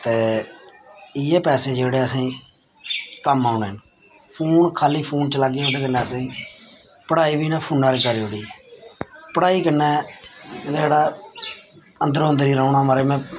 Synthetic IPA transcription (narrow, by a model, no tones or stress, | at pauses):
t̪eː | ɪjeːpɛːseːd͡ʒeːɽeːəsĩː | kəmaːneːɦən | pʰuːnkʰaːliːpʰuːnt͡ʃəlaɡeːɦoːd̪eːkənːɛ̃ːəsĩː | pəɽaːiːʋiːnɛ̃ːpʰuːnaːɾeːkəɾiːoɽiː | pəɽaːiːkənːɛː | d͡ʒeːɽaː | ənd̪əɾoənd̪əɾiːɾəuːɳaːmaɾeːmɛ̃ː